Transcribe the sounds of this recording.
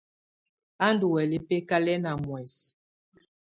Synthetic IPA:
a˦ndu˨wɛ˨li˨pe˦ka˦lɛ˦na˨mwɛ˨s

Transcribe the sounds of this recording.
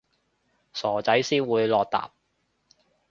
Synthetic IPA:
sɔː˨˩t͡sɐ˨˥jsiː˥nwuː˨˧jlɔː˨k̚t̪a̰ː˨p̚

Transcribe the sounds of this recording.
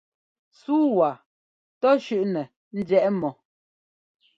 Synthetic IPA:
suː˦wa˨ | tɔ˦ʃʉ˦˨ʔnɛ˨ | n̩˦djɛ˦ʔmɔ˨

